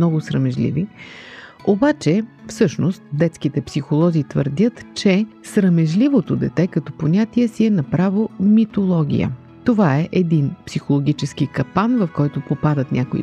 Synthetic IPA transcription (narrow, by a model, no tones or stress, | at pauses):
ɔɡʊsɾəmɛʒlḭvi | obat͡ʃɛfsɤʃnost̪̚d̪ɛt̪sk̟it̪ɛpsixolˠɔzit̪vəɾd̪ʲət̪t͡ʃɛsɾɐmɛʒlivot̪od̪ɛt̪ɛkɐt̪ɔponʲat̪iɛsiɛnɐpɾavomit̪olˠɔɡʲḭjə̰ | t̪ovaɛʔɛd̪inpsixolˠoɡʲit͡ʃɛsk̟ikɐpanvɐfkɔjt̪ʊpopad̪ət̪nʲʔakoḭ